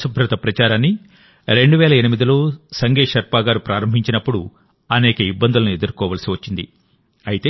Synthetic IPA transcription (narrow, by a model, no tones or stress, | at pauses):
subʱɾɐt̪ɐpɾɐt͡ʃaːɾaːnːi | ɾe̞ɳɖuʋɛːlɐenimid̪ilo̞ːsɐŋɡeːʃɐɾpaːɡaːɾupɾaːɾɐmbʱiɲt͡ʃinɐpːuɽu | ɐnɛːkɐibːɐnd̪ulɐnue̞d̪uɾkɔːʋaːlɐsiʋɐt͡ʃːind̪i | ɐjit̪eː